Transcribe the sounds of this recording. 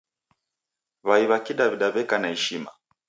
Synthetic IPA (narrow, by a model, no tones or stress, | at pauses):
βaiβakiɗaviɗaβɛkanahɛʃima̰